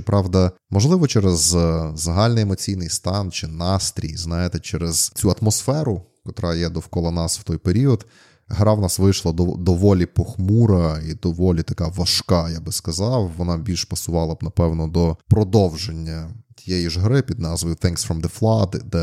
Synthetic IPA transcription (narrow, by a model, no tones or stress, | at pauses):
pɾʔɑwd̪ɐmɔʒlˠɪʋɔt͡ʃɛɾezzɐɦɑlʲnɪjemɔt͡sʲijnɪjst̪ɑnt͡ʃɪnɑst̪ɾʲḭjznɑjet̪ɛt͡ʃɛɾɛz̥t͡sʲuɐt̪mɔsfɛɾʊ | kɔt̪ɾɑjɛd̪ɔwkɔlˠɐnɑsw̥t̪ɔjpeɾʲiɔd̪ | ɦɾɑwnɑsʋɪjʃlˠɐd̪ɔd̪ɔʋɔlʲipɔxmuɾɐid̪ɔʋɔlʲit̪ɐkɑʋɐʃkɑjabɪskɐzɑwʋɔnɑbʲilʲʃpɐsʊʋɑlˠɐbnɐpɛwnɔd̪ɔpɾɔd̪ɔwʒenʲːɐt̪ʲijɛjiʒɦɾɪpʲid̪nɑzʋɐjʊθɪŋksfɾɔmd̪ɛflˠɑd̪d̪ɛ